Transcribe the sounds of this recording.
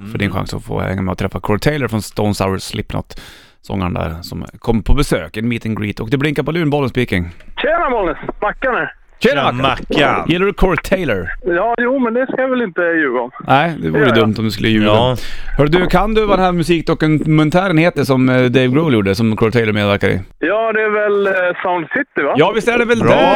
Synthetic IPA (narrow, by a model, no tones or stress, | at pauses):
fœɖɪ̰nɧa̰ŋsɔ̰fo̰ːhɛ̰ŋːamɛɔt̪ʰɾɛfːakʰɔɾt̪ʰeɪləɾfɾɔnst̪oʊnsa̰wəsːlʔɪpːna̰t̪ | sɔ̰ŋːa̰ɳd̪æ̰ːɾsɔ̰mkʰɔmːəpʰɔbɛsø̰ːkɛnmiːt̪ɪŋɡɾḭːt̪ʰɔk̚d̪ɛblɪŋkaɾpɔlʉ̟ːnbɔlːənspiːkɪŋɕeːnamɔlnəsbakːanɛ | ɕeːaakːjɛlːəɖɵkʰɔɾt̪ʰeɪləɾjɑːjuːmɛnd̪ɛskajɑvɛlɪnt̪əjʉ̟ːɡaɔmnʔæɪd̪ɛvuːɾəd̪ɵmːt̪ɔmd̪ɵskɵlːəjʉːɡahœːɖɖɵkʰand̪ʉvad̪ɛnɦæɾmʉsiːk̚d̪ɔkʉnmɛnt̪ʰæːɾənheːt̪əʂɔmd̪eɪvɡɾoljuːɖəsɔmkʰɔɾʈ̪ʰeɪləɾmeːd̪væɾkad̪ɛ̰ | jɑːd̪ɛæɾvɛlsaʊnd̪sɪt̪ɪvajɑːvɪst̪æɖɛvɛld̪ɛ